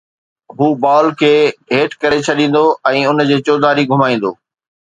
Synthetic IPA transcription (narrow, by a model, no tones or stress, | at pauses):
ɦuːbaːlkʰeːɦeːʈkɐɾet͡ɕʰɐɗĩːn̆d̪oɛ̃ːʊnd͡ʑeːt͡ɕoːd̪aːɾiɡʱʊmaːĩːn̆d̪o̰ː